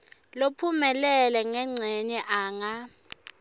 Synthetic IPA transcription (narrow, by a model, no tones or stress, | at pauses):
lopʰumɛlɛlɛŋɛŋ͡ǀʱɛɲɛʔaːŋa